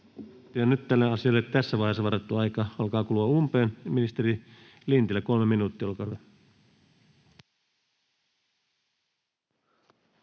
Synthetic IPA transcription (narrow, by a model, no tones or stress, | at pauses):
jɑnyt̪t̪ːælːeɑsiɑlːet̪æsːæʋɑˑihesːɑʋɑret̪ːuɑjkɑɑlkɑːkuluɑumpeːnminist̪eɾi | lint̪ilːæko̞lmeminuːt̪ːiːolkɑe